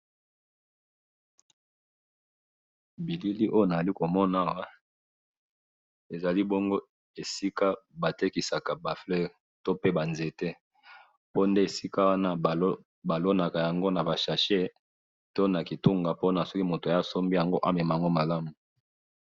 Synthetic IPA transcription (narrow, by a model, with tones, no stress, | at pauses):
bi˨li˦li˦ʔo˦jo˦na˨za˨li˦ko˨mɔ˦na˦wa˦ | e˨za˨li˦bo˦ŋɡo˦ | e˨si˦ka˦ba˨te˦ki˨sa˨ka˨ba˨flɛ˦˨ʁ | to˦pe˦ba˨nze˨tɛ˦ | po˦nde˦e˨si˦ka˦wa˦na˦˨o˦ | ba˨lo˦na˨ka˨ja˨ŋɡo˦na˨ba˨ʃa˨ʃe˦ | to˦na˨ki˨tu˦ŋɡa˨po˦na˨sɔ˦ki˦mo˨to˨a˨ja˦so˦mbi˦ja˨ŋɡo˦ʔa˦mɛ˨ma˨a˨ŋɡo˦ma˨la˦mu˨